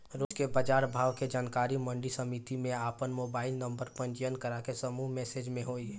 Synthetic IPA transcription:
ɾoːkebəd͡ʒaːɾbʱaːʋked͡ʒaːnkaːɾimə̃ɳɖisəmit̪imẽaːpənmoːbaːɪlnə̃mbəɾpə̃ɲt͡ʃjənkəɾakesəmumɛːsed͡ʒmẽɦoi

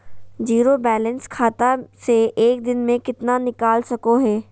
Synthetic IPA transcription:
d͡ʒiːɾobɛːlə̃nskʰaːt̪aseʔeːk̚d̪ɪnmẽkɪt̪nanɪkaːlsɐkoɦɛː

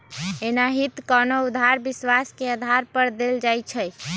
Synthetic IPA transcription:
enaɦit̪kɔnoud̪ʱaɾbiswaskeəd̪ʱaɾpəɾd̪eld͡ʒajt͡ʃʰə

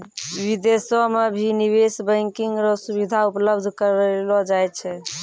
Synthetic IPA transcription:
wid̪esɔmebʱiniβesbəɪŋkiŋɡɾɔsuβid̪ʱaupləbd̪ʱkəɾelɔd͡ʒajt̪̚t͡ʃʰɛ

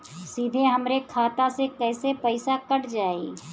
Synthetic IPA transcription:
siːd̪ʱeɦɐmɾekʰaːt̪asekɛːsepɛɪsakɐʈd͡ʒaːeː

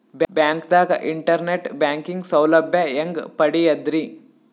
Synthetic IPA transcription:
bbjaːŋkd̪aːɡɐʔiɳʈɐɾneʈbjaːŋkiŋɡsɐwlɐbʱjɐeŋɡpɐɽijɐd̪ɾi

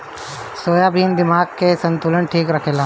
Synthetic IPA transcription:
soːjabʱiːnd̪ɪmaːɡ̚kesə̃nt̪uːlənʈʰiːkɾɐkʰeːlaː

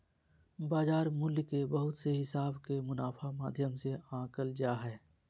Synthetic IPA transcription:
baːzaːɾmʊlkebɐɦʊt̪seɦɪsaːbkemʊnaːfʰamaːd̪ʱjəmseãːkəld͡ʒaːɦɛː

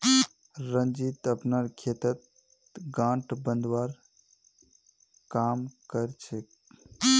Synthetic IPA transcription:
ɾənd͡ʒit̪əpnaɾkʰet̪ət̪̚ | ɡãʈbə̃nd̪waɾ | kamkəɾt͡ʃʰek

